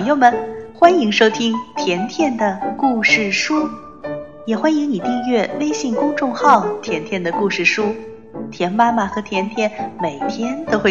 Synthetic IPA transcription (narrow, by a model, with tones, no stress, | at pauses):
ŋjo˥˩ʊmə˨˩nxwa˥ni˧˥ŋʂo˥ʊt̪ʰi˥ŋt̪ʰjɛ˧˥nt̪ʰjɛ˥˩nd̪ə˩ku˥˧ʂɻ̩˥˩ʂu˥ | jɛ˨˩xwa˥ni˧˥ŋni˨˩t̪i˥˧ɥɛ˥˩we˥ɪɕi˥˩ŋkʊ˥ŋʈ͡ʂʊ˥˧ŋxɑ˥˩ʊt̪ʰjɛ˧˥nt̪ʰjɛ˥˩nd̪ə˩ku˥˧ʂɻ̩˥˩ʂu˥ | t̪ʰjɛ˧˥nma˥ma˨˩xɤ˧˥t̪ʰjɛ˧˥nt̪ʰjɛ˥˩nme˨˩ɪt̪ʰjɛ˥nt̪o˥ʊxwe˥˧˩